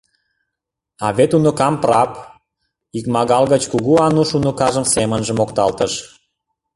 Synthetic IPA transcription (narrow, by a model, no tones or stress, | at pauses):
ɑβet̪unokɑmprɑp | ikmɑɣɑlɣət͡ɕkuɣuɑnuʃunə̆kɑʒəmsemənʒə̆mokt̪ɑlt̪əʃ